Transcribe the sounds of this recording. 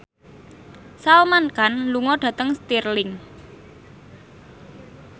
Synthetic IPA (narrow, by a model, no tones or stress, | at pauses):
salmankanluŋɔɖ̥ä̤t̪əŋst̪irlɪŋ